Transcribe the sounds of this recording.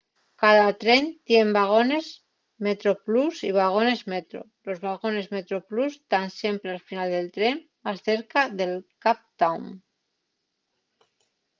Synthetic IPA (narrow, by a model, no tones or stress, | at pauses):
kað̞at̪ɾent̪jembaɣ̞o̞ne̞z | met̪ɾoplusiβ̞aɣ̞o̞ne̞zmet̪ɾo̰lo̞zβaɣo̞ne̞zmet̪ɾoplust̪ansje̞mpɾealfinald̪e̞lt̪ɾen | asθe̞ɾkaðelkap̚t̪awm